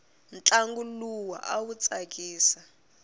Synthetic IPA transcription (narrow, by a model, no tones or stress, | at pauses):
nt͡ɬʼaŋɡuluwa̰ʔawut͡sʼak̬ʼiːsa